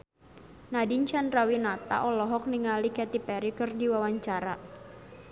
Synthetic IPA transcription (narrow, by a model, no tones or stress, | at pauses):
nadiɲt͡ʃanrawinat̪a̰ʔɔlɔɦɔk̚niŋalikɛt̪ipɛɾikɨrdiwawaɲt͡ʃaɾa